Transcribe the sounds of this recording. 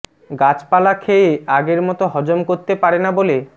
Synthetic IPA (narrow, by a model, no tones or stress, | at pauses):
ɡat͡ɕpalakʰeeaɡeɾmɔt̪oɦɔd͡ʑomkoɾt̪epaɾenabole